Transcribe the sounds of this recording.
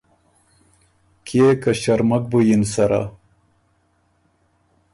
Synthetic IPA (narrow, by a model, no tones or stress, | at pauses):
kʰekɐɕɐɾmɐk̚bujinsɐɾa̰